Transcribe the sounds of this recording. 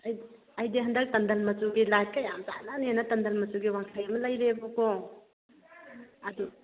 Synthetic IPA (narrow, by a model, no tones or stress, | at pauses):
ɐj | ɐjdeɦɐnd̪ak̚tɐnd̪ɐlmɐsuɡilaj̚kajamzananenatɐnd̪ɐlmɐsuɡiwaŋsʰajmɐlɐjlebɔkɔ | ɐd̪u